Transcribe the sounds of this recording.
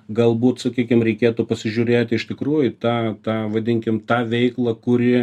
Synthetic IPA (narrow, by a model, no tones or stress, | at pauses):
ɡɐlˠbuːt̪sɐkʲiːkʲɪmɾʲɛɪkʲeːt̪ʊpɐsʲɪʒʲʊːɾʲeːt̪ʲɪɪʃt̪ʲɪkɾuːjʊt̪ɑːt̪ɑːʋɐd̪ʲɪŋʲkʲɪmt̪ɑːʋʲɛɪklˠɐkʊɾʲɪ